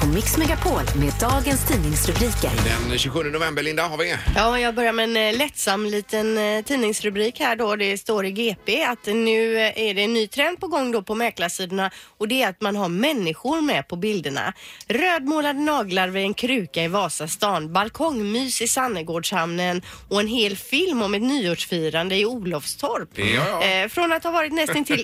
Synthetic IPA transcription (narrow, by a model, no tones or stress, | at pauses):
ɔmɪksmɛɡapʰoːlmeːd̪d̪ɑːɡənst̪ʰiːnɪŋsɾɵbɾiːkə̰ɾd̪ɛ̰nɕʉːɧɵnd̪ənʊvɛmbəɾɭɪnd̪ahaɾvɪjɑːjɑːɡ̚bœɾjaɾmɛɛnlɛt̪samːliːt̪ənt̪ʰiːnɪŋsɾɵbɾiːkhæːɖɔd̪ɛst̪oːɾɪɡeːpʰeːat̪nʉ̟ːæɖɛnːyːt̪ʰɾɛnd̪̚pɔɡɔŋːd̪ɔpʰɔmɛɾklasiːd̪əɳaɔd̪ɛːɾat̪manɦaɾmɛnːɪɧʊɾmɛpʰɔbɪld̪əɳa̰ɾøːd̪moːlad̪ənɑːɡlaɾvɪɛnkʰɾʉ̟ːkaɪvɑːsast̪ɑːnbalkʰɔŋmyːsɪsanːəɡoːɖʂhamnən | ɔɛnɦeːlfɪlmɔmɛt̪nyːuːɖʂfyːɾand̪əɪuːlɔfst̪ʰɔɾp | fɾɔnat̪havɑːɾɪt̪nɛst̪ɪnt̪ʰɪl